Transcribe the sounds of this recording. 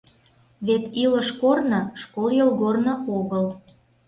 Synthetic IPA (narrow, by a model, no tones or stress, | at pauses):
βet̪iləʃkornɤ̆ʃkoljolˠɣornɤ̆oɣəl